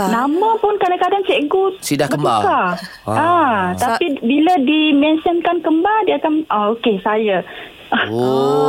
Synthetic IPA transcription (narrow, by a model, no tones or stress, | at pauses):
nãmãpʊnkadãŋkadansɛʔɡut̪̚sidakəmbaka | at̪apibiladimɛnsənkankəmbadiakanaokesaja